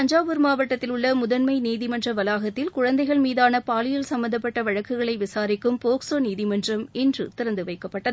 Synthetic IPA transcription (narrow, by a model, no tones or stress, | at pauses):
ɐɲd͡ʒaːʋɯɾmaːʋɐʈːɐt̪ːɪlʊɭːɐmʊðɐnmɐɪniːðɪmɐndrɐʋɐlaːɣɐt̪ːɪlkʊɻɐnd̪ɐɪɣɐɭmiːðaːnɐpaːlɪjɐlsɐmbɐnd̪ɐp̬ːɐʈːɐʋɐɻɐkːɯɣɐɭɐɪʋɪsaːɾɪkːɯmpoːksoːniːðɪmɐndrɐmɪndrɯt̪ɪɾɐnd̪ɯʋɐɪkːɐpːɐʈːɐðɯ